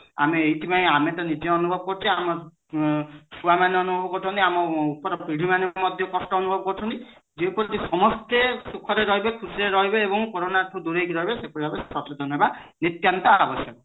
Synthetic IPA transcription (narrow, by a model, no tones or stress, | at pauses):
a̰miejtipaĩamet̪ɔnid͡ʒeɔnubʱɔbɔkɔɾt͡ʃʰiamɔ | subamaneɔnubʱɔbɔkɔtʰɔ̃nt̪iamɔupɔɾɔpɾiɽʱimanemɔd̪ʱjɔkɔsʈɔːnubʱɔbɔkɔɾtʰɔnt̪id͡ʒepɔɾt̪isɔmɔst̪esukʰɔɾeɾɔɦibekʰusiɾeɾɔɦibeebɔŋkoɾonaɾʈʰud̪uɾejkiɾɔɦibesepuɾibʱabesɔtɔd̪ʱɔnbanit̪jant̪aabɔsjɔkɔ